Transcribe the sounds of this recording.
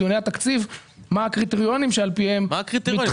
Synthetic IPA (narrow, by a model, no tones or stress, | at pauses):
jo̞ne̞jat̪akt͡sivmaakʁit̪eʁjo̞nimʃealpihe̞makʁit̪mi